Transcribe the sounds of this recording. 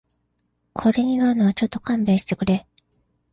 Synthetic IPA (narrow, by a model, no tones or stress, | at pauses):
kʰo̞ɾe̞ɲ̟inanoβat͡ɕo̞t̪ːo̞kãmbe̞ːɕi̥t̪e̞kɯ̟ɾe̞